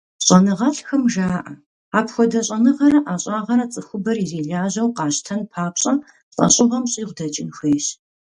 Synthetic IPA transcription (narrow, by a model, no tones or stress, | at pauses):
ɕʼɐnɨʁɐɬxɐmʒaːʔɐ | aːpxʷɔdɐɕʼɐnɨʁɐɾɐʔaːɕʼɑːʁɐɾɐt͡sʼɨxʷʊbɐrizeːɮaːʑɐwqɑːɕtʰɐnpʰaːpɕʼɐ | ɕʼɐ̰ɕʼɪʁɐmɕʼiːʁʷdɐt͡ʃʼɪnxʷeːɕ